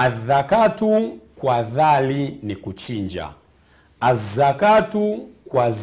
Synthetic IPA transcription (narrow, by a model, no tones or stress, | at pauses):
aðakatukwaðalinikut͡ʃiɲd͡ʒa̰ | azakatukwaz